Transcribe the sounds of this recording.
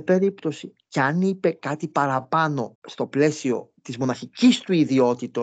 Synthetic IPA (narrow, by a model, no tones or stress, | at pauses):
pe̞ɾipt̪o̞siceɐnipe̞kɐt̪ipɐɾɐpɐno̞st̪o̞ple̞sio̞̰t̪izmo̞nɐçicist̪uiðio̞t̪it̪o